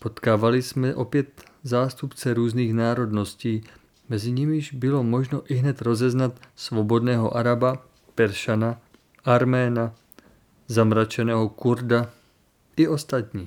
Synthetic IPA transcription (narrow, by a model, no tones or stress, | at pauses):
po̞t̪kaːvalɪsmɛʔo̞pjɛt̪zaːst̪upt͡sɛɾuːzniːxnaːɾo̞dno̞sciː | mɛzɪɲɪmɪʒbɪlo̞moʒnoʔɪɦnɛt̪ɾo̞zɛznat̪svobo̞dnɛːɦo̰ʔaɾaba | pɛɾʃana | ʔaɾmɛːna | zamɾat͡ʃɛnɛːɦokuɾda | ʔɪo̞st̪at̪ɲiː